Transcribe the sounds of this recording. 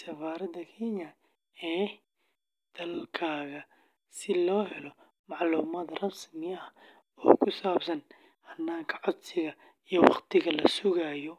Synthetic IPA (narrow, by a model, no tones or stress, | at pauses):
sɐfaːɾɐd̪ɐkʰɛɲɐ | ɛː | d̪̥ɐlkʰaːɣɐ | sɪlɔːɦɛlɔ | mɑʕluːmaːd̪rɐnsmɪjɐɐ | ɔ̰ːkʰʊsaːbsɐn | hɐnːaːŋkʰɐʕɔd̪sɪɣɐ | ijɔwɑ̰qt̪ʰɪɣɐlɐsʊɣaːjɔ